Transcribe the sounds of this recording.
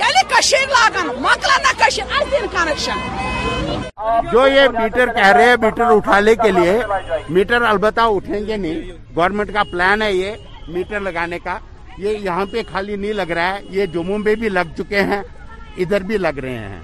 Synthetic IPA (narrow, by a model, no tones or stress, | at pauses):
kɛlikɐʃeːɾlaːɡanmɐ̃klanɐkɐʃiɾɐɽd̪inkaːnɐkʃa | d͡ʒoːjemiːʈəɾkɛɦɾɦeɦɛ̃biːʈəɾʊʈʰaːnekeliemiːʈəɾɐlbət̪ːaʊʈʰẽːŋɡenɐĩ | ɡɔːɾmẽɳʈkaplɛːnɦɛje | miːʈəɾlɐɡaːneka | jejɐɦãpekʰaːlinɐɦĩlɐɡɾaɦɛjed͡ʒʊmũbebʱilɐɡ̚t͡ʃʊkeɦɛ̃ː | ɪd̪əɾbʱilɐɡɾəɦḛ̃ɦɛ̰̃ː